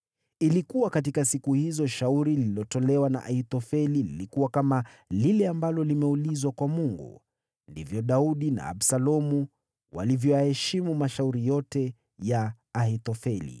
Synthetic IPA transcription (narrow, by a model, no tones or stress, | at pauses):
ilikuwakat̬ikasikuhizɔʃauɾililɔtɔlɛwana̰ʔahit̪ɔfɛlilḭlikuwakamalilɛambalɔlimɛulizwakwamuŋɡṵ | ndḭvjɔɗauɗina̰ːɓsalɔmu | wa̰livjɔjahɛʃimumaʃauɾijɔtɛ | jaː | hit̪ɔfɛlḭ